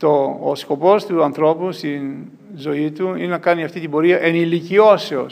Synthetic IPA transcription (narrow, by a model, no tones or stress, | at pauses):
t̪o̞sko̞po̞st̪uɐnθɾo̞pust̪in | zo̞it̪uinenɐkɐniɐft̪it̪ibo̞ɾiɐʔenilicio̞seo̰s